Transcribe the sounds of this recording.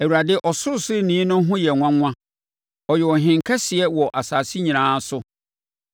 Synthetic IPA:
æ˨wu˨ɾa˨dɪ˦ʔɔ˨sʊ˦˨sɪ˦nĩː˨˦nʊ̃˦ɦʊ̃˦jɛ˨ŋʷã˦ŋʷã˦ | ɔ˨jɛ˨ɔ˨ɦɪ̃˨ŋ˨kʰɛ˦sɪ˨ɛ˦wɔ˨ʔa˨saː˨si˦ɲĩ˨ãː˦sʊ˦

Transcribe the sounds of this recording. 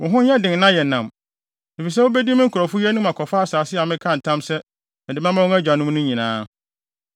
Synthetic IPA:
wʊ̃˨ɦʊ̃˦ɲ˦ɛ˦dɪ̃˨ŋ˨nã˦jɛ˨nã˨m | ɪ˨fi˨s̬ɛ˦wo˦bɛ˦di˦mɪ̃˦kʰu˨ɾɔ˨fu˦jɛ˦nʊ̃˦mã˨kʰɔ˨fa˦a˨saː˨sɪ˦a˨mɪ̃˦kʰã˦˨n̩˨tʰã˦msɛ˦ | mɛ̃˨dɪ˨mã˦mã˦wʊ˦æ˦d͡ʑᶣa˨nʊ̃˦m˦nʊ̃˦ɲĩ˨nãː˨˦

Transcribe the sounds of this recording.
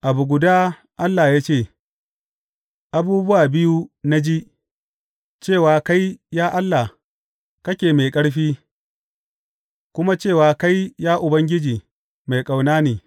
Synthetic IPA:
ʔa˨bu˨ɡʷʊ˨daː˦ | ʔa˦lːa˨jaː˦t͡ʃeː˦˨ | ʔa˨buː˦bʊ˦waː˨bɪ˦ju˦na˦d͡ʒi˦ | t͡ʃeː˦˨waː˨ka˦jjaː˦ʔa˦lːa˨ | kɐ˦kʲeː˨ma˨jkʼɐ˦ɽɸiː˦ | kʷʊ˦ma˦t͡ʃeː˦˨waː˨ka˦jjaː˦ʔʊ˨bɐ˦ŋɡʲɪ˦d͡ʒiː˨ | ma˨jkʼa˨wnaː˦neː˨

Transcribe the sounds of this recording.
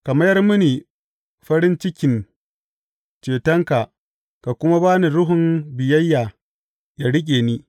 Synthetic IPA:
ka˨mɐ˦jɐ˦rmʊ˦niː˨ | ɸɐ˦ɽɪ˦nt͡ʃɪ˦kʲɪ˨n | t͡ʃeː˨tɐ˦ŋka˨ | ka˨kʷʊ˦ma˦baː˦ni˨ɽʊ˦ɦʊ˨mbɪ˨jɐ˦jːaː˨ | ja˨ɽɪ˦k̬ʲʼeː˨niː˦

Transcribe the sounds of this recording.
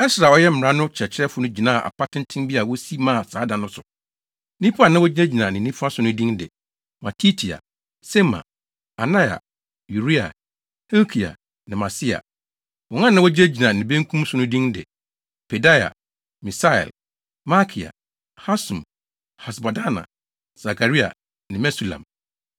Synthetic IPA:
ɛ˦sɾa˨ɔ˦jɛ˦m̩˨ɾã˦nʊ̃˦t͡ɕʰɛ˨t͡ɕʰɪ˦ɛ˦fʊ˦nʊ̃˦d͡ʑi˨nã˦˨ʔa̰˨pʰa˦tʰɪ̃˦n̩˦tʰɪ̃˦n˦bi˦a˨wɔ˦si˦mã˦˨saː˨˦dã˨nʊ̃˦sʊ˨ | nĩ˦pʰu˦a˨nã˦wɔ˦d͡ʑi˦ne˦d͡ʑi˨nã˨nɪ̃˨nĩ˦pʰu˦a˦sʊ˨nʊ̃˦dĩ˦ndɪ̰˨ | mã˨tʰi˦tʰi˨a̰˨ | se˦mã̰˨ | a˨nã˦ja̰˨ | ju˨ɾi˦a̰˨ | he˦kʰi˨a̰˨ | nɪ̃˨mã˨sɪ˦a̰˨ | wɔ˨ŋã˦nã˦wɔ˦d͡ʑɪ˦e˦d͡ʑi˨nã˨nɪ̃˨bẽ˦ŋ̩˦kʰũ˦m˦sʊ˦nʊ̃˦dĩ˦ndɪ̰˨ | pʰe˨da˦ja̰˨ | mĩ˨sa˦ɛ̰˨l | ma˦kʰi˨a̰˨ | ha˦sũ˨m | ha˨sba˨da˦nã̰˨ | sa˨kʰa˨ɾi˦a̰˨ | nɪ̃˨mɛ˦su˨lã̰˨m

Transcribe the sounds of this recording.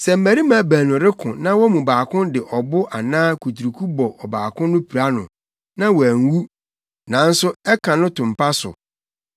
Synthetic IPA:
sɛ˨m̩˦˨mæ˨ɾi˦mã˨˦˨bæ̃ː˨nʊ̃˨ɾɪ˦kʰʊ̃˨nã˦wɔ˦mũ˨baː˨kʰʊ̃˦ndɪ˨ʔɔ˨bʊ˦ʔa˨nãː˦kʰu˨tʰu˨ɾu˨kʰu˦bɔ˨ʔɔ˨baː˨kʰʊ̃˦nʊ̃˦pʰi˨ɾa˦nʊ̰̃˨ | nã˦wɔ˨æ˨ŋ˦wu˦ | nã˨˦n̩˦sʊ˦ɛ˦kʰã˨nʊ̃˦tʰʊ̃˨m̩˨pʰa˦sʊ̰˨

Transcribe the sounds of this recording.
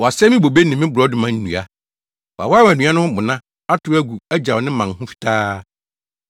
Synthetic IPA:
wɔ˨a˨sɛ˦mɪ̃˦bo˨be˦nɪ̃˨mɪ̃˦bʊɾɔ˦dʊ˨mã˨n̩ː˦nṵ̃˨a˨ | wa̰˨wa˦wæ˨nũ˨˦a˦nʊ̃˦ʊ̃˦bʊ̃˨nã˦ | a˦tʰʊ˨˦æ˦ɡu˨æ˦d͡ʑa˨nɪ̃˦mã˨ŋɦʊ̃˦fi̥˨tʰaː˦

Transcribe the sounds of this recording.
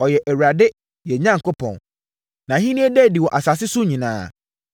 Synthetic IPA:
ɔ˨jɛ˨ʔɛ˨wɾa˨dɪ˦ | jɛ˨ɲã˦ŋ˨ko˦pʰɔ̰̃˨n | nã˨ɦĩ˦nĩ˦ɛ˦dɛ˦˨di˨wɔ˨ʔa˨sa˨s̬ɪ˦sʊ˦ɲĩ˨nã̰ː˦˨

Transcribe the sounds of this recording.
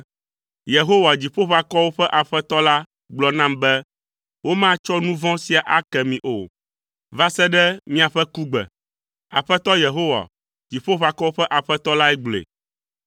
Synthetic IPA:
je˨ɦo˦wa˨d͡ʑi˨ɸo˦ɸa˨kɔ˦wo˦ɸɛ˦ʔa˨ɸɛ˦t̪ɔ˦la˦ | ɡ͡blɔ˨nã˦mbɛ˦ | wo˦mã˦t͡ʃɔ˦nũ˦vɔ̃˦si˨a˨ʔa˦kɛ˨mĩ˨ʔo˨ | va˦sɛ˦ɖɛ˦mĩ˦a˨ɸɛ˦ku˦ɡ͡bɛ̰˨ | a˨ɸɛ˦t̪ɔ˦je˨ɦo˦wa̰˨ | d͡ʑi˨ɸo˦ɸa˨kɔ˦wo˦ɸɛ˦ʔa˨ɸɛ˦t̪ɔ˦la˦ɛ˦ɡ͡blḛ˨

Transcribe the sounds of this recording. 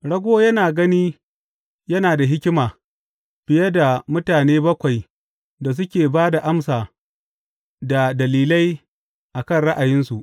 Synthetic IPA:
ɽɐ˦ɡʷoː˦jɐ˦naː˨ɡɐ˦niː˦ | jɐ˦naː˨da˨ɦɪ˦kʲɪ˦maː˨ | b̥ɪ˨jɐ˦da˨mʊ˦taː˨neː˦bɐ˦kʷa˨j | da˨s̬ʊ˦kʲeː˨baː˦da˨ʔa˦msaː˨ | da˨dɐ˨liː˦lɐ˦j | ʔa˨kɐ˦˨nɽɐ˦ʔa˨jɪ˦nsu˨ʔ

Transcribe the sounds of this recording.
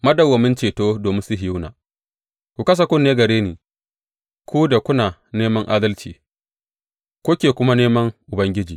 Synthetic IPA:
mɐ˦dɐ˨wːɐ˨mɪ˦nt͡ʃeː˨toː˦doː˨mɪ˦nsʊ˦ɦɪ˨ju˦na̰ː˨ | kʷu˨kɐ˦s̬a˨kʷʊ˦nːeː˦ɡɐ˨ɾeː˦niː˨ | kʷu˦da˨kʷʊ˦naː˨neː˦mɐ˦ŋʔa̰ː˦dɐ˦lt͡ʃḭː˨ | kʷʊ˦kʲeː˨kʷʊ˦ma˦neː˦mɐ˦ŋʔʊ˨bɐ˦ŋɡʲɪ˦d͡ʒiː˨

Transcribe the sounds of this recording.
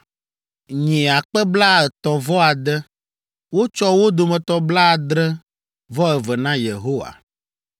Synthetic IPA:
ɲĩ˨a˨k͡pɛ˦bla˦ɛ˨t̪ɔ˨vɔ˦a˨d̪ɛ˦ | wo˦t͡ʃɔ˦wo˦d̪o˨mɛ̃˨t̪ɔ˦bla˦˨d̪ɾɛ˦ | vɔ˦ɛ˨vɛ˨nã˦je˨ɦo˦wa̰˨

